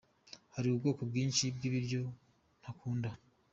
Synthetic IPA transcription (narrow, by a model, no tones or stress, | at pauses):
haɾiubɡo̞ːkobɡiːnʃib̚ɡiβiɾɟo̞ | n̥hakuːnda